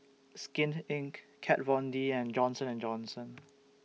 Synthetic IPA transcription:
skɪ̃nɪ̃ŋkkʰɛt̚vɔ̃ndiɛ̃nd͡ʒɔ̃nsə̃nɛ̃nd͡ʒɔ̃nsə̃n

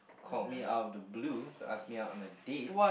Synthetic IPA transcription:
kʰɔt̚mia̰ʊdəbluta̰smiaʊtɔ̃nədewa

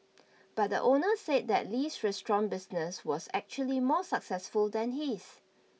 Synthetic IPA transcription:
b̥at̚də̰ʔonəsed̚dɛ̰tlisɹɛstɹɔ̃nbɪsnəswɔsɛk̚t͡ʃuəlimɔsəksɛsfuldɛ̃nhis

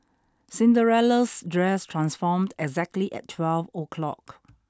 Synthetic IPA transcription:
sɪ̃ndəɹɛləsdɹɛstʰɹãnsfɔmdɛɡzɛk̚tliʔɛ̰tʰːwɛlvokʰlɔ̰k

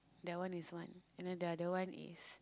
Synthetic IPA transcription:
dawãniswãnɛ̃nadadəwãnḭs

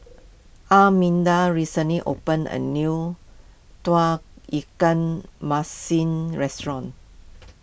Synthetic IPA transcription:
ʔamĩndaɹisə̃nliʔo̰pə̃nə̰nu | twak̚ikə̃nmasĩnɹɛstɹɔ̃n

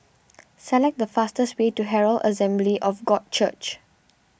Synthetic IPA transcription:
sɛlɛk̚dəfastəstwetuɦɛɹəlʔə̰sɛ̃mbliʔɔfɡɔd̚t͡ʃə̰t͡ʃ

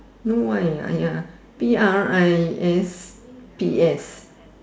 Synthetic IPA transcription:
nowaja̰ja | piaɹajɛs | piɛs

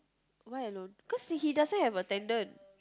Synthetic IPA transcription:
wajəlõnkɔsdɛhidasnɔt̚hɛvətɛ̃ndə̃n

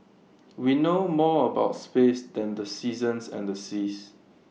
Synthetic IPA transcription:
winomɔəbaʊtspesdɛ̃ndəsizə̃nsɛ̰̃ndəsis

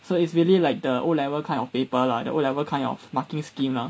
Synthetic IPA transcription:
soitsɹiəlilaɪk̚dəʔolɛvəkʰãɪ̃nɔfpepəladə̰ʔolɛvəkʰãɪ̃nɔ̰fmakĩŋskĩmla

